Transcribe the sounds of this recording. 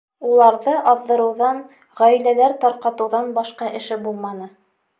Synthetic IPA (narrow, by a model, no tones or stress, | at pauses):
ulˠɑɾðɤʔɑðːɤ̆ɾɤ̆wðɑn | ʁæjlælæɾt̪ɑɾqɑt̪ɤ̆wðɑnbɑʃqɑʔɘ̆ʃɘbulˠmɑnɤ